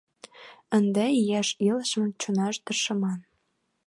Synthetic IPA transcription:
ə̆nd̪eijæʃiləʃmə̆t͡ɕonɑʃt̪ərʃɤ̆mɑn

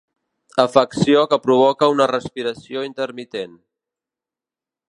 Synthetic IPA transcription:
əfəksiokəpɾuβ̞ɔkəunərəspiɾəsioint̪əɾmit̪en

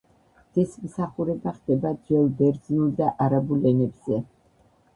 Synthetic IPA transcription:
d̪̥ismsaχuɾɛbaχd̪̥ɛbad͡ʒɛlˠbɛɾd̪znulˠd̪aʔaɾabulɛnɛbz̥ɛ

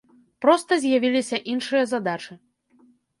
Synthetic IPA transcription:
pɾɔst̪ɐzʲjavʲilʲisʲɐʔinʂɨjɐzad̪at͡ʂɨ

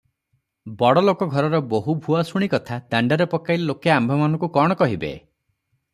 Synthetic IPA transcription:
bɔɽɔlokɔɡʱɔɾɔɾɔboɦubʱuasuɽ̃ikɔt̪ʰad̪aɳɖaɾepɔkajlelokeambʱɔmanɔ̃ŋkukɔɽ̃ɔkɔɦibḛ

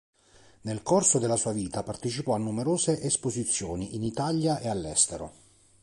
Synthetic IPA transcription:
nelkorsod̪elasuːaviːt̪apart̪et͡ʃipɔanːumeɾoːzeʔespozit̪sːjoːniʔinit̪aljaʔealːɛst̪eɾo̰

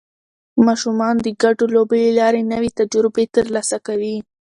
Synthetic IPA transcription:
mɑʃumɑnd̪əɡaʈolobəlelɑɾenəwet̪ad͡ʒʊɾbet̪əɾlɑsakawi

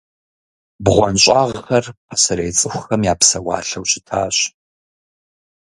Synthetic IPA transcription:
bʁʷɔnɕʼaːʁxɐrpʰasɐɾejt͡sʼɨxʷʊxɐmjaːpsɐwa̰ːɬɐwɕɪtʰaːɕ

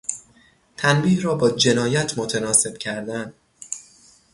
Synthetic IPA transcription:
t̪ʰænbiːhrɒːbɒːd͡ʒe̞nɒːjæt̪ʰmot̪ʰænɒːse̞b̥̚cʰæɾd̪ænd̪

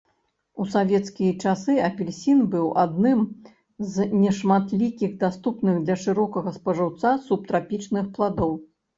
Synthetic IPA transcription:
usavʲɛt̪skʲijɐt͡ʂasɨɐpʲɛlʲsʲinbɨwʔad̪nɨm | znʲɛʂmat̪lʲikʲiɣd̪ast̪upnɨɣd̪lʲɐʂɨɾɔkɐɣɐspɐʐɨwt̪sasup̚t̪ɾapʲit͡ʂnɨxplˠad̪ɔw

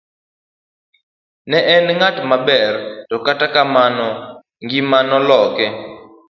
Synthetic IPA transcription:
nɛʔɛnŋatmabɛrtɔkatakamanɔ | ŋɡimanɔlɔkɛ

